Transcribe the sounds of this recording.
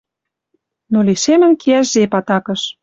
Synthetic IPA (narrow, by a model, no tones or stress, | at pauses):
noliʃemə̆nkʰeæʃzepɑt̪ɑkə̆ʃ